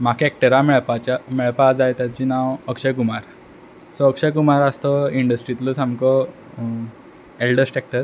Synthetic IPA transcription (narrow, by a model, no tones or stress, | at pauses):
m̤akek̚ʈəɾamɛɭpat͡ɕamɛɭpad͡zajt̪jat͡ɕiːnawəkʂəkumaɾ | sɔəkʂəkumaɾəst̪ɔiɳɖəsʈɾit̪lɔsamkɔ | elɖəsʈek̚ʈəɾ